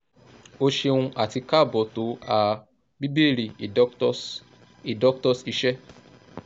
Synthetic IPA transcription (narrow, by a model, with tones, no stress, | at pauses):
o˦ʃe˧wũ˧ʔa˦˨ti˧ka˦˨bɔ˨to˨˦a˨ | bi˦bi˦e˦˨ɾi˨i˨˦ | i˨dɔ˦k̚tɔ˧si˧˦ʃɛ˦